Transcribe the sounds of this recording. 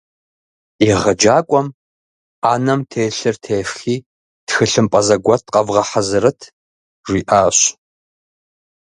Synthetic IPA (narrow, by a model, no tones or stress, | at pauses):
iʁɐd͡ʒaːkʷʼɔm | aːnɐmtʰeːɬɨrtʰeːfxiː | txɨɬɨmpʼɐzɐɡʷɐtʰqʼɐvʁɐħɐzɨɾɨtʰ | ʒʷiːʔaːɕ